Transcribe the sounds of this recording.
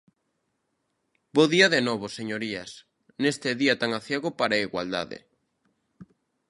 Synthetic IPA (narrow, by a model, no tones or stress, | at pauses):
boðiaðenoβoseɲoɾias | nest̪eðiat̪aŋaθjeɣopaɾaiɣwa̰ld̪a̰ðḛ